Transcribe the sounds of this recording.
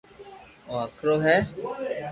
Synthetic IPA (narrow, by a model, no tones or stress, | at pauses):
oːəkʰɾoːɦɛː